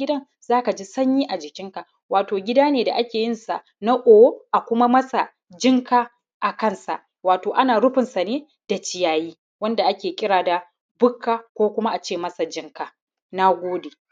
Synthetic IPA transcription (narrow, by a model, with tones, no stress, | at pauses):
ɪ˦dɐ˦n | zaː˦ka˨d͡ʒi˦sɐ˦ɲjiː˦ʔa˨d͡ʒɪ˨kʲɪ˦ŋka˨ | waː˨toː˨ɡʲɪ˦daː˦neː˨da̰˨ʔa˦kʲeː˨jɪ˦nsa˨ʔ | na˦ʔʷoː˨woː˦ʔa˨kʷʊ˦ma˦mɐ˦sa˨ | d͡ʒɪ˦ŋkaː˦ | ʔa˨kɐ˦˨nsa̰˨ʔ | waː˨toː˨ʔa˦naː˨ɽʊ˦ɸɪ˨nsa˨neː˦ | d̥a˨t͡ʃɪ˦jaː˨jiː˦ | wɐ˦nda˨ʔa˦kʲeː˨kʲʼɪ˦ɽaː˨da˨ | bʊ˦kʰːaː˨kʷoː˦kʷʊ˦ma˦ʔa˨t͡ʃeː˦˨mɐ˦sa˨d͡ʒɪ˦ŋkaː˨ | na˦ɡʷoː˦de˨